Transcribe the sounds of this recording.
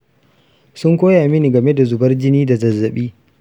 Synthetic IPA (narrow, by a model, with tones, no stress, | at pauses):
sʊ˦ŋkʷoː˦jaː˨mɪ˦ni˨ɡɐ˨me˦da˨zʊ˨bɐ˦rd͡ʒɪ˦niː˦da˨zɐ˨zːɐ˨ɓiː˦